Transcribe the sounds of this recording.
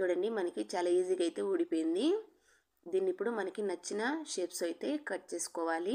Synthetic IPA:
t͡ʃuːɽɐɳɖimɐnɐkit͡ʃaːlaːiːziːɡɐjt̪e̞ːuːɽipoːjind̪i | d̪iːnːipːuɽumɐnɐkinɐt͡ʃːinɐʃeːpsɐjt̪e̞ːkɐʈ̚t͡ʃe̞ːsu̥kɔːʋaːli

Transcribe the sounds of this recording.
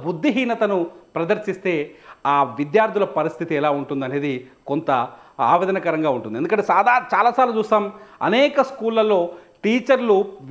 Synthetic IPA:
bud̪ʱːiɦiːnɐt̪ɐnupɾɐd̪ɐɾsist̪e̞ːaːʋid̪jaːɾt̪ʰilɐpɐɾist̪ʰit̪iɛlaːuɳʈund̪ɐne̞ːd̪i | ko̞nt̪ɐ | a̰ːʋeːd̪ɐnɐkɐɾɐŋɡaːuɳʈund̪iend̪ukɐɳʈead̪at͡ʃaːlaːsaːɾut͡ʃuːsɐmɐ̰nɛːkɐskuːlːɐlːo̞ːʈiːt͡ʃɐɾluʋ

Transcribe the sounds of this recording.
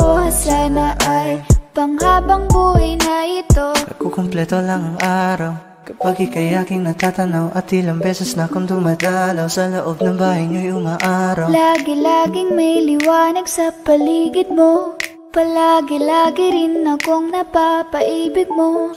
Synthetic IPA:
ʔohɐsanɐʔajpɐŋhaːbɐŋkoʔɪnɐɪt̪okokʊmplɛt̪olɐŋɐŋʔaːɾaw | paɡɪkɐjaːkɪŋnɐt̪at̪ɐnawʔɐt̪ɪlɐŋbɛsɛsnɐkʊnd̪ʊmɐt̪alawsɐloʔob̚nɐŋbaːhɐjnŋɐjoŋaʔaːɾawlaːɡɪlaːɡɪŋmɐjlɪwaːnɐɡsɐpɐliːɡɪd̪̚mo | pɐlaːɡɪlaːɡɪɾɪnːɐkoŋnɐpapɐʔiːbɪɡ̚mo

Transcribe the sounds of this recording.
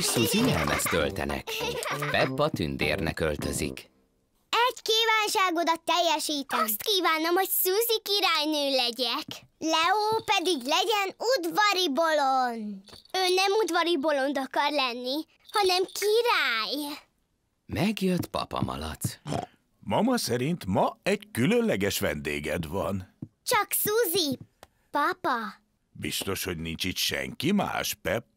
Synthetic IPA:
suːziɲɛlmɛst̪ølt̪ɛ̰nɛ̰kpɛpːɒt̪ynd̪eːrnɛ̰kølt̪øzḭk | ɛɟkiːvaːnʃaːɡod̪ɒt̪ːɛjːɛʃiːt̪ɛsst̪kiːvaːnomho̞csuzikiɾaːjnøːlɛɟɛk | lɛoːpɛd̪iɡlɛɟɛnud̪ʋɒɾibo̞lond̪̥øːnɛmud̪vɒɾibo̞lo̞nd̪ɒkɒrlɛnːi | hɒnɛmkʰiɾaːj | mɛɡjøt̪pɒ̰pɒ̰mɒ̰lɒt̪ː | mɒmɒsɛɾint̪mɒɛɟkylønlɛɡɛʃʋɛ̰nd̪eːɡɛd̪ʋɒ̰nt͡ʃɒksuzi | pɒpɒ | bḭst̪o̞ʃho̞ɟnint͡ʃit̪ʃɛ̰ŋkima̰ːʃpɛp̚

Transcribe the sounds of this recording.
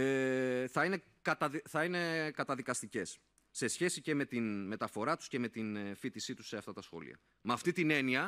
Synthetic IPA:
eθɐine̞ | kɐt̪ɐðiθɐine̞kɐt̪ɐðikɐst̪ice̞sː | e̞sçe̞sice̞me̞t̪inme̞t̪ɐfo̞ɾɐt̪u̥sce̞me̞t̪infit̪isit̪u̥se̞ɐft̪ɐt̪ɐsxo̞̰lḭɐ̰ | mɐft̪it̪ine̞niɐ

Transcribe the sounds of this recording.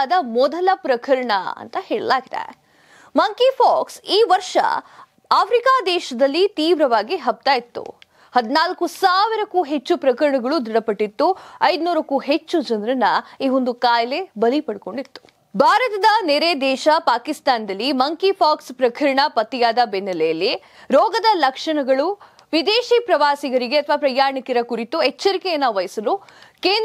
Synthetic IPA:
d̪ɐmɔd̪ɐlɐpɾɐkʰɐɾɐɳɐ̰ɐ̰nt̪ɐheːɭɐ̰laːɡid̪ḛ | mɐŋkipʰaːksiːʋɐɾʂɐ̰ | aːfʰɾikaːd̪ɛːʃɐd̪ɐlːit̪iːʋɾɐʋaːɡiɦɐb̚t̪aːjit̪ːṵ | hɐd̪inaːlkusaːʋiɾɐkuːɦet͡ʃːupɾɐkɐɾɐɳɐɡɐɭud̪ɾiɽɐpɐʈːit̪ːuɐjd̪nuːɾɐkuːɦet͡ʃːud͡ʒɐnɾɐnːɐiːɦond̪ukaːjɐlebɐlipɐɽko̞ɳɖit̪ːu̥ | bʱaːɾɐt̪ɐd̪ɐneːɾed̪ɛːʃɐpaːkist̪aːnd̪ɐlːimɐŋkipʰaːkspɾɐkʰɐɾɐɳɐpɐt̪ːijaːd̪ɐbɛnːɐlejɐlːi | ɾɔːɡɐd̪ɐlɐkʂɐɳɐɡɐɭu | ʋid̪eːʃipɾɐʋaːsiɡɐɾiɡeɐt̪ʰɐʋaːpɾɐjaːɾɳikiɾɐkuɾit̪ːuɛt͡ʃːɐɾikenːɐʋɐjsɐlukeːnd̪

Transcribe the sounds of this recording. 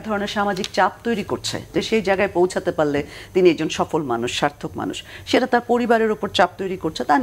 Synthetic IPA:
d̪ʱɔɾoneɾʃamad͡ʑikt͡ɕap̚t̪ojɾikoɾt͡ɕʰḛd͡ʑaʃejd͡ʑaeɡaepowt͡ɕʰat̪epaɾlet̪iniɛɡ̚d͡ʑonʃɔfolmanuʃːaɾt̪ʰokma̰nṵʃʃeʈat̪aɾpoɾibaɾeɾupoɾt͡ɕap̚t̪ojɾikoɾt͡ɕʰet̪an

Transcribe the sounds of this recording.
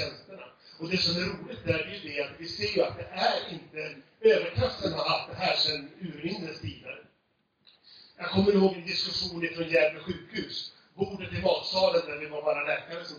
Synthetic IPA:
ɛnst̪əɳa̰ɔd̪ɛsɔmæɾuːlɪt̪æɾɛjɵd̪ɛat̪vɪseːɾjɵat̪̚d̪ɛʔæɾɪnt̪ə | øːvəɾkʰaft̪ənaalt̪̚d̪ɛɦæːʂɛnʉ̟ːɾɾɪŋd̪ənst̪ʰiːd̪a̰ɾ | jɑːɡkʰɔmːəɾɪhoːɡd̪ɪd̪ɪskɵɧuːnɪt̪ɾɔnjæːɾləɧʉ̟ːkhʉ̟ːs | buːɖəkʰlɪmɑːt̪sɑːlənːæɾvɪvɑːɾvɑːɾalɛːkaɾəsɔ

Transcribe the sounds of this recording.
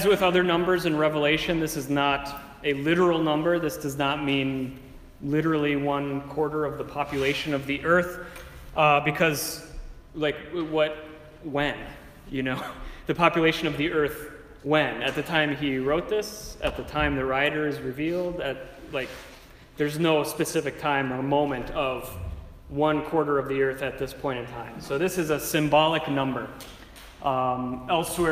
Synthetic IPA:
ɨzwɨðʌðə˞nʌ̃mbə˞zɨ̃nɹɛvəleɪʃɨ̃nðɪsɨznəɾ | ɨlɪɾə˞l̩ˠnʌ̃mbə˞ðɪsd̥ʌznət̚mĩn | lɪɾə˞l̩ˠiwʌ̃nkʰw̥ɔɹɾə˞ʌvðəpʰɑpjɨleɪʃɨ̃nʌvðiʔɜ˞θ | ʔbɨkʰʌz | laɪkwʌt̚ | wɨ̃n | jɨnoʊðɨpʰɑpjɨleɪʃɨ̃nʌvðiɜ˞θ | wɨ̃nɨt̪̚ðɨtʰãɪ̃miɹoʊt̪̚ðɪsɨt̪̚ðɨtʰãɪ̃mðɨɹaɪɾə˞ɨzɹɨvilˠdɨt̚laɪk̚ | ðə˞znoʊspɨsɪfɨk̚tʰãɪ̃məmõʊ̃mɨ̃ntʰʌv | wʌ̃nkʰw̥ɔɹɾə˞ʌvðiɜ˞θɨt̪̚ðɪspʰɔ̃ɪ̃ɾ̃ʌ̃vtʰãɪ̃msoʊðɪsɨzɨsɨ̃mbɑlˠɨknʌ̃mbə˞ | ʔʌɛlˠswɛ

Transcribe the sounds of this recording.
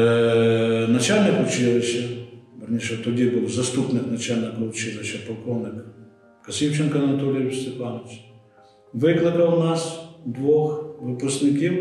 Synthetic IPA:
nɐt͡ʃalʲnɪkʊt͡ʃɪlɪʃɐbɐrnʲiʃɛt̪ɔdʲibɨwzɐst̪upnɪknɐt͡ʃalʲnɪkɐt͡ʃɪlˠɪʃɐpɐlˠkɔwnɪk | kɐsʲiwt͡ʃɛnkɐɐnɐt̪ɔlʲɪjʋʲist̪epɑnɪt͡ʃʲ | ʋɪklˠɪkɐwnɑsd̪ʋɔxʋʊpɐsʲt̪nʲɪkʲiw

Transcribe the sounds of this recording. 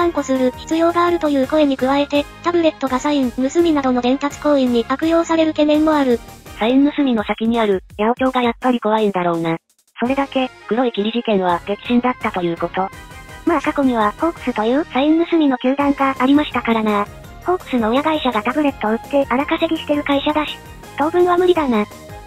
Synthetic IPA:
ãŋko̞sɨɾɯ̟çi̥t͡sɨjo̞ːɡaːɾɯ̟t̪o̞jɯ̟ːko̞e̞ɲ̟ikɯ̟βae̞t̪e̞t̪abɯ̟ɾe̞t̪ːo̞ɡasaimɯ̟sɨmʲinad̪o̞no̞d̪ẽ̞mpat͡sɨ̥ko̞ːĩɲ̟ːikakɯ̟jo̞ːsaɾe̞ɾɯ̟ke̞mẽ̞ŋːo̞aɾɯ̟sainːɯ̟sɨmʲino̞sakʲiɲ̟iaɾɯ̟jaokʲo̞ːɡajapːaɾʲiko̞βaĩnd̪aɾo̞ːna | so̞ɾe̞d̪ake̞kɯ̟ɾo̞ikʲiɾʲiʑikẽ̞ɰ̃βaɡ̥e̞t͡sɨ̥ʑĩnd̪at̪ːat̪o̞jɯ̟ːko̞t̪o̞maːkako̞ɲ̟iβ̞aho̞kɯ̟̥sɨt̪ojɯ̟ːsainːɯ̟sɨmʲino̞kʲɨːd̪ãŋɡaʔːɾʲimaɕi̥t̪akaɾana | ho̞kɯ̟̥sɨno̞ːjaɡaiɕaɡat̪abɯ̟ɾe̞t̪ːo̞ɯ̟t̪ːe̞ʔaɾakase̞ɡʲiɕi̥t̪e̞ɾɯ̟kaiɕad̪aɕi̥ | t̪o̞ːbɯ̟̃ɰ̃βamɯ̟ɾʲid̪ana

